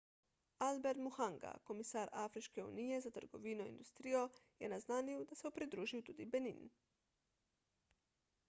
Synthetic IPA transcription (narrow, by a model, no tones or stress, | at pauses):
albɛɾt̪muxaŋɡa̰komisaːɾafɾiʃkeṵːnijɛzat̪əɾɡo̰ʋiːnoḭnd̪ust̪ɾijojɛnaznaːniud̪asɛupɾid̪ɾuːʒiwt̪uːd̪ibenḭːn